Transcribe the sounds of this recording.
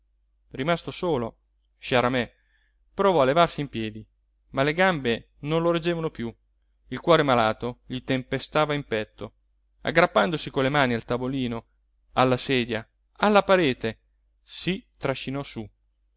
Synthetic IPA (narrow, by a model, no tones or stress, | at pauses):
rimast̪osoːlo | ʃaɾamɛ | pɾovɔalevarsiːmpjɛːd̪i | maleɡambe | nonloɾed͡ʒːeːvanopju | ilkwɔːɾemalaːt̪oʎit̪empest̪aːvaimpɛt̪ʰːo | a̰ɡːɾapːand̪osikolːemaːnialt̪avoliːno | alːasɛːd̪ja | alːapaɾeːt̪e | sit̪ɾaʃːinɔsu